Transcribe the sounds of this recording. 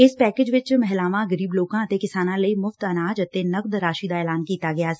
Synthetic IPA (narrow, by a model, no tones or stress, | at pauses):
ɪspɛːkɪːd͡ʒʋɪt͡ʃmɛɦlaːʋãɡəɾiːbloːkãət̪ekɪsaːnãlɐimʊft̪ɐnaːd͡ʒɐt̪enɐk̚d̪ɾaːʃid̪aɛːlaːnkiːt̪aɡɐjaːsɛ